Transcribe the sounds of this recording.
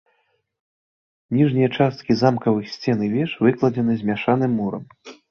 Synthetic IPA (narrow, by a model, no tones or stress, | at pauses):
nʲiʐnʲijɐt͡ʂast̪̚kʲizamkɐvɨxsʲt͡sʲɛnɨvʲɛʂvɨklˠɐd͡zʲɛnɨzʲmʲaʂanɨmːuɾɐ̰m